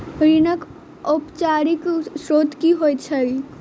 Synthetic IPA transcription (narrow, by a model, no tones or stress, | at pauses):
ɾinək | opt͡ʃaːɾiksɾoːt̪kiɦoːjt͡ʃʰəi